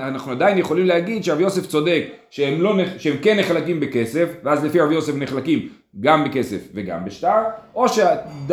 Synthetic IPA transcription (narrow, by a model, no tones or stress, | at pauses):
anaχnuad̪ajinjeχo̞limlehaɡid̪ʃeʁavjo̞se̞ft͡so̞d̪e̞kʃeemlo̞neʃeemkenːeχlakimbeke̞sefveazlefiaʁavjo̞sefneχlakim | ɡambeke̞sefveɡa̰mbeʃtaʁʔo̞ʃead